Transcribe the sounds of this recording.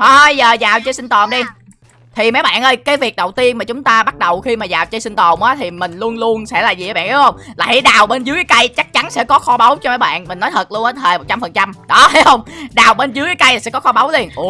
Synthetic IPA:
hə˧jzəː˨˩zaː˨˩wt͡ɕə˧jsï˧ŋt̪ɔ˨˩mɗi˧ | t̪ʰi˨˩ma˨˦jɓa̰ː˧˨nʔəː˧jkaː˨˦jvi˨˩k̚ɗə˨˩wt̪i˧ənmaː˨˩t͡ɕʊ˨˦ŋ͡mt̪aː˧ɓa˦˥t̚ɗə˨˩wxi˧maː˨˩zaː˨˩wt͡ɕə˧jsï˧n̟t̪ɔ˨˩mʔaː˨˦t̪ʰi˨˩mï˨˩ŋ̟lu˧ənlu˧ənsɛ̰˧˥laː˨˩ziː˨˩˨ɓa̰ː˧˨˩hə˧wŋ͡mlaː˨˩ḭ˧˩˦jɗaː˨˩wɓe˧nzɨ˨˦əkaː˨˦kə˧jt͡ɕa˦˥k̚t͡ɕa˨˦nsɛ̰˧˥kɔ˨˦xɔ˧ɓə˨˦wt͡ɕɔ˧ma˨˦jɓa̰ː˧˨nmï˨˩ŋ̟nɔ˨˦jt̪ʰə˨˩t̚lu˧əʔəː˨˦t̪ʰeː˨˩jmo˨˩t̚t͡ɕa˧mfə˨˩nt͡ɕa˧mɗɔ˨˦a˨˦jhə˧wŋ͡mɗaː˨˩wɓe˧nzɨ˨˦kaː˨˦jka˧jla˨˩sɛ̰˧˥kɔ˨˦xɔ˧ɓə˨˦wli˧ən

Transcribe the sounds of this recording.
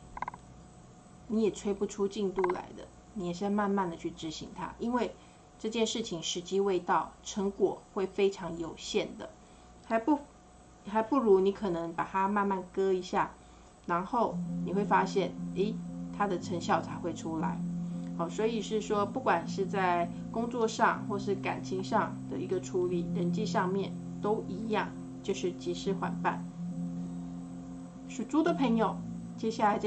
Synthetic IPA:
ni˧˥jɛ˨˩t͡sʰwe˥ɪpu˥˩ʈ͡ʂʰu˥t͡ɕi˥˧ŋt̪u˥˩la̰˧˥˦ɪd̪ə̰˧˨ | ni˧˥jɛ˨˩ʂɻ̩˥˧a˥˧ma˥˧nma˥˩nd̪ə˩t͡ɕʰy˥˩ʈ͡ʂɻ̩˧˥ɕḭ˧˥ŋt̪ʰa̰˥ʔi˥nwe˥˧ɪ | ʈ͡ʂɤ˥˧t͡ɕjɛ˥˧nʂɻ̩˥˩t͡ɕʰi˨˩ŋʂɻ̩˧˥t͡ɕi˥we˥˧ɪt̪ɑ˥˩ʊʈ͡ʂʰə˧˥ŋkwɔ̰˨˩xwe˥˩ɪfe˥ɪʈ͡ʂʰɑ˧˥ŋjo˨˩ʊɕjɛ˥˩nd̪ə̰˩ | xa˧˥pu˥ | xa˧˥ɪpu˥˩ɻu˧˥ni˧˥kʰɤ˨˩nɤ˧˦ŋpa˨˩t̪ʰa˥ma˥˧nma˥˩nkɤ˥i˧˥ɕja˥˩ | na˧˥nxo˥˩ʊni˨˩xwe˥˩ɪfa˥ɕjɛ˥˩ne˥˩ɪt̪ʰa˥d̪ə˨ʈ͡ʂʰə˧˥ŋɕjɑ˥˩ʊt͡sʰa˧˥ɪxwe˥˩ɪʈ͡ʂʰu˥la̰˧˥˦ɪɔ˨˩swɔ˧˥i˨˩ʂɻ̩˥˩ʂwɔ˥pu˥˩kwa˨˩nʂɻ̩˥˧t͡sa˥˩ɪ | kʊ˥ŋt͡swɔ˥˧ʂɑ̰˥˧ŋxwɔ˥˧ʂ̬ɻ̩˥˩ka̰˨˩nt͡ɕʰi˧˥ŋʂɑ˥˧ŋd̪̥ə̰˨i˧˥ɡə˧ʈ͡ʂʰu˧˥li˨˩ɻə˧˥nt͡ɕi˥˧ʂɑ˥˧ŋmjɛ˥˩n | t̪o˥ʊʔi˧˥jɑ̰˥˧ŋ | t͡ɕjo˥˧ʊʂɻ̩˥˩t͡ɕi˧˥ʂɻ̩˥xwa̰˨˩npa̰˥˩n | ʂu˨˩ʈ͡ʂu˥d̪ə˨˩pʰɤ˧˥ŋjo˨˩ʊ | t͡ɕjɛ˥ɕja˥˩la˧˥ɪʈ͡ʂ

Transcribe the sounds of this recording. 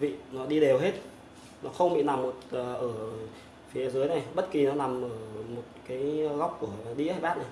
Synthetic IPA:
vḭ˧˨nɔ˨˦ɗi˧ɗe˨˩wɦe˦˥t̚ | nɔ˨˦xə˧wŋ͡mɓḭ˧˨na˨˩mːo˨˩t̚əː˨˩ʔəː˧˩ | fi˨˦zəː˨˦jna˨˩jɓə˦˥t̚ki˨˩nɔ˨˦na˨˩mʔəː˧˩mo˨˩t̚kaː˨˦jɣa˦˥wk͡p̚ku˧˩əɗḭ˧˥haː˧jɓaː˦˥t̚na˨˩j

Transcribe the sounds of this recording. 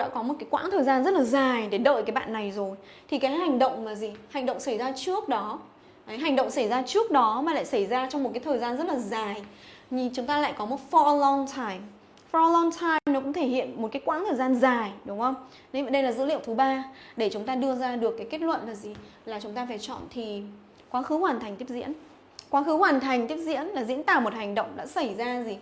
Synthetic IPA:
ɗa̰ː˧˥kɔ˨˦mo˨˩t̚kaː˨˦jkwa̰ː˧˥ŋt̪ʰəː˨˩zaː˧nzə˦˥t̚laː˨˩zaː˨˩jɗe˧˩ɗə̰ː˧˨jkaː˨˦jɓa̰ː˧˨nːa˨˩jzo˨˩j | t̪ʰi˨˩kaː˨˦jha˨˩jŋɗə̰˧˨wŋ͡mmaː˨˩zi˨˩ha˨˩jŋ̟ɗə̰˧˨wŋ͡msa˧˩jzaː˧t͡ɕɨ˦˥ək̚ɗɔ˨˦ | ʔə˨˦jɦa˨˩jŋ̟ɗə̰˧˨wŋ͡msa˧˩jzaː˧t͡ɕɨ˦˥ək̚ɗɔ˨˦maː˨˩la̰ː˧˨jsa˧˩jzaː˧t͡ɕɔ˧wŋ͡mmo˨˩t̚kaː˨˦jt̪ʰəː˨˩jzaː˧nzə˦˥t̚laː˨˩zaː˨˩j | ɲi˧˩t͡ɕʊ˨˦ŋ͡mt̪aː˧la̰ː˧˨jkɔ˨˦mo˨˩t̚fɔ˧lɔ˧ŋtʰaː˧jm | fɔ˧lɔ˧ŋt̪ʰaː˧jmnɔ˨˦kʊ˧˥ŋ͡mt̪ʰe˧˩hḭ˧˨ənmo˨˩t̚kaː˨˦jkwaː˧˥nt̪ʰəː˨˩jzaː˧nzaː˨˩jɗʊ˨˦ŋ͡mʔə˧wŋ͡m | ɗvə˨˩ɗə˧jlaː˨˩zɨ̰˧˥lḭ˧˨əwt̪ʰɨ˨˦ɓaː˧ɗe˧˩t͡ɕʊ˨˦ŋ͡mt̪aː˧ɗɨ˧əzaː˧ɗɨ˨˩əkːaː˨˦jke˦˥t̚lwə̰˧˨nvaː˨˩zi˨˩ | laː˨˩t͡ɕʊ˨˦ŋ͡mt̪aː˧faː˧˩jt͡ɕɔ̰˧˨nt̪ʰi˨˩ | kwaː˨˦xɨ˨˦hwaː˨˩nt̪ʰjŋ̟t̪i˦˥əp̚zḭ˧˥ən | kwaː˨˦xɨ˨˦hwaː˨˩nt̪ʰa˨˩jŋ̟t̪i˦˥əp̚zḭ˧˥ənlaː˨˩zḭ˧˥ənt̪aː˧˩mo˨˩t̚ha˨˩jŋ̟ɗə̰˧˨wŋ͡mɗa̰ː˧˥sa˧˩jzaː˧zi˨˩

